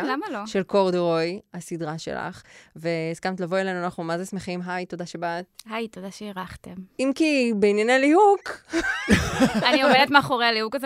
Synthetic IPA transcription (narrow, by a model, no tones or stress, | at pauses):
lamaloʃe̞lkoʁdoʁojhasidʁaʃḛla̰χveiskamtlavoelejnuanaχnumazesmeχimɦajto̞daʃebat̚hajt̪odaʃeiʁaχtemimkibeinjenelihuk | aniomelet̪maːχoʁealiukaze